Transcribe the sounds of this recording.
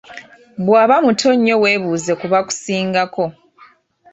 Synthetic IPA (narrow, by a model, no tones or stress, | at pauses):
βwaːβamutʰo̞ɲːo̞we̞ːβuːze̞kuβaku̥siːŋɡako̞